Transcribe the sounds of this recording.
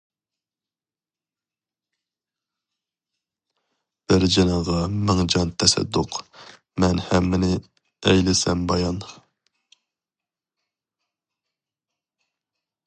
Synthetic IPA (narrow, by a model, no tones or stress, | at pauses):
b̥ɪɾd͡ʒenəʁɑmɪŋd͡ʒɑnt̪ʰɛsɛ̰d̪ːʊq | mɛnhɛmːɪnɪ | ɛjlɪsɛmbɑjɑn